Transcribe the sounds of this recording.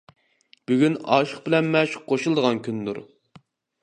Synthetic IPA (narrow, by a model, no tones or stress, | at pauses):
b̥yɡʲynɑ̰ːʃəχbɪlɛnmɛʃqʰoʃulˠd̪əʁɑnkʲynd̪ṵɾ